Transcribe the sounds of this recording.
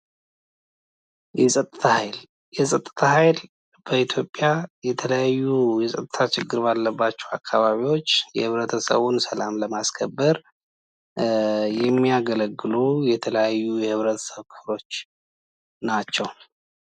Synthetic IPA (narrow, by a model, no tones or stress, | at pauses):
jɛsʼət̪ʼːɨt̪ʰahajl | jɛsʼət̪ʼːɨ̥t̪ʰahajl | b̥əit̪ʰjo̞pʼːjajɛt̪ʰələjajːujɛsʼət̪ʼɨt̪ʰat͡ʃɪɡːɨɾbalːəbːat͡ʃːɛwa̰kʰːaβaβiwo̞t͡ʃːjɛ̰hɨβɾət̪ʰəsə̰βunsəlamləmaskʰəbːəɾ | jɛmːiaɡələɡːɨlujɛt̪ʰələjajːujɛhɨβɾət̪ʰə̥səβkʰɨflo̞t͡ʃː | nat͡ʃːɛw